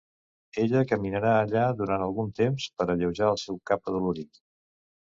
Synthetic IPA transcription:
eʎəkəminəɾaəʎaðuɾant̪əlˠɣunt̪emspəɾəʎəwʒaəlˠsɛwkapəðuluɾi

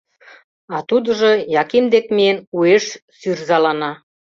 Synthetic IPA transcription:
ɑt̪ud̪ə̆ʒɤ̆jɑkimd̪ekmienueʃsyrzɑlɑnɑ

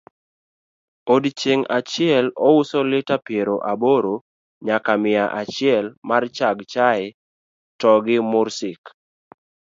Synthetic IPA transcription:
odt͡ʃeŋat͡ʃɪɛlɔusɔlɪtapjeɾoʔaboɾo | ɲakamɪaʔat͡ʃɪɛlmart͡ʃaɡt͡ʃaɪ | tɔɡɪmʊɾsɪk

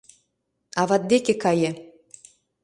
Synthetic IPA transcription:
ɑβɑt̪̚d̪ekekɑjĕ

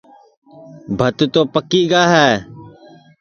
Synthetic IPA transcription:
bʱət̪t̪oːpəkːiːɡaːɦɛː

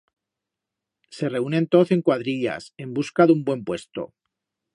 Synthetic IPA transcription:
se̞re̞unent̪o̞θe̞ŋkwaðɾiʎa̰se̞mbuskaðumbwe̞mpwe̞st̪o̞̰

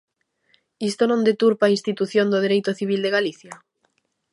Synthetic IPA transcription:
ist̪onõnd̪et̪uɾpaːinst̪it̪uθjõnd̪oð̞eɾejt̪oθiβ̞ild̪eɣaliθja

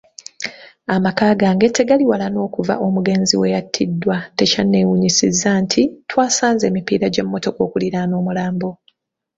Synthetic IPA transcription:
amakaːɡaːŋɡe̞te̞ɡaliwalano̞ːkuva̰ʔo̞muɡe̞ːnziwe̞jatʰːidːwate̞canːe̞wuɲisizːantʰitwaːsaːnze̞ːmipḭːɾaɟe̞mːo̞to̞ko̞ːkuliɾano̞ːmulaːmbo̞

